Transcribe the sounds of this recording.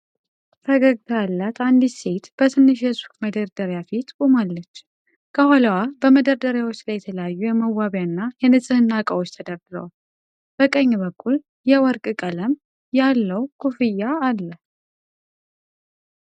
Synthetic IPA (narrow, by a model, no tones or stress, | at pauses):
fʰəɡəɡt̪ʰəalːat̪ʰand̪ise̞t̪b̥ət̪ʰɨnːɨʃjɛsu̥kməd̪əɾd̪əɾjafit̪kʼumalːət͡ʃː | kʰəhaləwabəməd̪əɾd̪əɾjawot͡ʃːlajɛt̪ʰələjajːujɛməwːaβjanːajɛnɨsʼɨhɨnːakʼəwot͡ʃːt̪ʰəd̪əɾd̪ɨɾə̰wa | b̥əkʼəɲːbəkʰʼːul | jɛwɔɾkʼɨkʼələm | jalːəwkʰufɨjaalːə